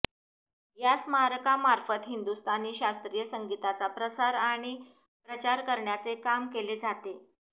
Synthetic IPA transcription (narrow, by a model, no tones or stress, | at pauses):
jasməɦaɾəkamaɾfət̪ɦind̪ust̪aniːɕast̪ɾijəsəŋɡit̪at͡sapɾəsaɾaɽ̃i | pɾət͡ɕaɾkəɾɳjat͡sekamkeled͡zat̪e